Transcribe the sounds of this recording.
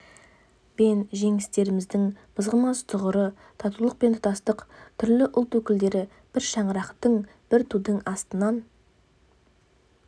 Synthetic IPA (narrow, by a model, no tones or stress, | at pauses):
be̞nʒe̞ŋɪst̪e̞ɾɪmɪzd̪ɪŋb̥əzʁəmɑst̪ʰʊʁəɾə | t̪ʰɑt̪ulˠəq̚pe̞nt̪ʰʊ̥t̪ɑst̪əqt̪ʰʏɾlɪʔʊlˠt̪wɵkʲɪld̪e̞ɾɪ | b̥ɪɾʃɑɴəɾɑqt̪əɴ | b̥ɪɾt̪ʰud̪əɴɑst̪ənɑn